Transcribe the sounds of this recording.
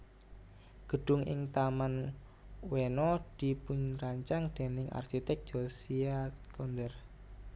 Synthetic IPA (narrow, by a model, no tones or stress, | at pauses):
ɡ̥ə̤ɖ̥ʊ̤ŋʔɪ̰ŋt̪aman | wenɔd̪̥ipʊɲraɲt͡ʃaŋd̪̥e̤nɪŋa̰rkit̪ɛk̚d͡ʒ̥osiakɔnd̪ɛr